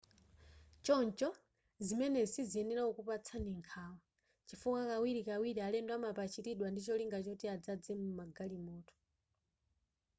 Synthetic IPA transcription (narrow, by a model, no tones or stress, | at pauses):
t͡ʃɔnt͡ʃɔ | zimɛnɛsiziɛnɛɾaɔkupat͡sʰaniŋkʰawa | t͡ʃifukakawiɾikawiɾialɛndwamapat͡ʃitiɗwandit͡ʃɔliŋɡat͡ʃɔtiad͡zad͡zɛmumaɡalimɔːtɔ̥